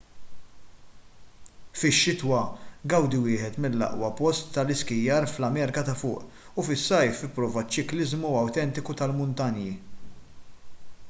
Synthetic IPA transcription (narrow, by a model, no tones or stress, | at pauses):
fɪʃːɪt̪wɐɡɐwd̪ɪwɪːħɛt̪mɪlːɐ̰ʔwɐpɔst̪ːɐlɪskɪjːɐːɾflɐmɛɾkɐt̪ɐfʊ̰ːʔ | ufɪsːɐjfɪpːɾɔːvɐt͡ʃːɪklɪzmuɐwt̪ɛnt̪ɪkut̪ɐlmʊnt̪ɐnji